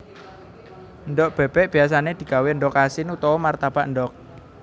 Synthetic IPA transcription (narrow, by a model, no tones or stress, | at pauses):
ənɖɔʔb̥ɛ̤b̥ɛʔb̥i̤as̬aned̪̥i̤kaweəɳɖɔkasɪnut̪ɔɔmart̪ab̥aʔnɖɔk̚